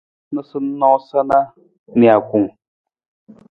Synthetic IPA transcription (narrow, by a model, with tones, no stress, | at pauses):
nə˦sɨ˦n̩˦nɔ˦sa˦na˦ | ni˨a˨ku˨ŋ